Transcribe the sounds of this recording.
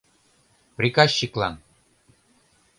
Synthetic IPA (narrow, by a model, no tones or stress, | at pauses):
prʲikɑɕːiklɑ̰n